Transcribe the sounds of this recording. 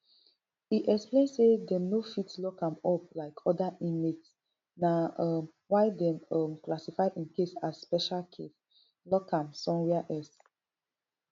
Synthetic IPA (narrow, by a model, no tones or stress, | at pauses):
iʔɛksplẽnsedɛ̃mnofitlɔkãmɔplaɪkʰɔdaʔĩmets | naɔm | wajdɛ̃mɔmklasifaɪʔĩnkesasspɛʃalkʰes | lɔkãmsɔ̃nwɛaʔɛs